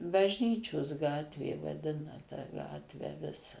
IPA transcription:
bɐʒʲˈnʲiːt͡ʃʲoːs ˈɡɑːtʲʋʲeː ʋɐˈdʲɪnɐ tɑː ˈɡɑːtʲʋʲæː ˈʋʲɪsɐ

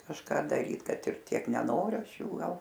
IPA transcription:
kɐʃˈkɑː dɐˈrʲiːt ˈkɐt ɪr ˈtʲiɛk nʲɛˈnoːrʲʊ ˈɐʃ ˈjuː ˈɡɐlˠ

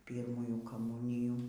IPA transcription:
ˈpʲiːrmuːjuː kɐˈmuːnʲɪjuː

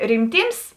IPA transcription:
rʲɪmʲˈtʲiːms

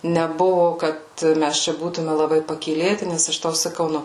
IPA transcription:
nʲɛˈbʊʋoː ˈkɐt ˈmʲæs ˈt͡ʃʲɛ ˈbuːtʊmʲɛ lˠɐˈbɐɪ pɐkʲiːˈlʲeːtʲɪ ˈnʲɛs ɐʃ ˈtɐʊ sɐˈkɐʊ ˈnʊ

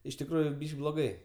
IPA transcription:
ɪʃ tʲɪkˈruːjʊ blˠoːˈɡɐɪ

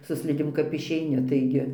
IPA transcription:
sʊ ˈsʲlʲɪdʲeːm kɐp ɪʃʲɛɪˈnʲɪ tɐɪˈɡʲɪ

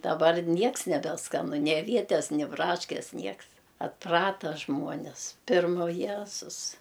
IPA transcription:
dɐˈbɐr ˈnʲiɛks nʲɛbʲɛˈskɑːnʊ nʲɪ ɐˈʋʲiɛtʲɛs nʲɪ ˈbrɑːʃʲkʲɛs ˈnʲiɛks ɐtˈprɑːtɐ ˈʒmuɔnʲɪs ˈpʲɪrmɐ ʊ ˈjæːzʊs

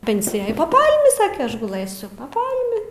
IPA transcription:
ˈpʲɛnʲsʲɪjɛj pɐ ˈpɐlʲmʲɪ ˈsɑːkʲɛ ˈɐʃ ɡʊˈlˠɘsʲʊ pɐ ˈpɐlʲmʲɪ

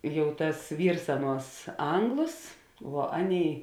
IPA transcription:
ˈjɛʊ tɐs ˈʋʲiːrs ˈɑːˌnuɔs ˈɐŋɡlˠoːs ʋuɔ ˈɑːˌnʲeːɪ

